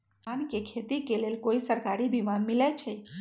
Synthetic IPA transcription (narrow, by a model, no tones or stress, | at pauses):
ankekʰet̪ikelelkoisəɾkaɾibʱimanmilet͡ʃʰe